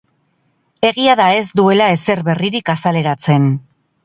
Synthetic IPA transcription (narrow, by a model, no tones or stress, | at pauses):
e̞ɣiaðae̞zd̪ue̞lae̞se̞ɾβe̞riɾikasale̞ɾat͡se̞n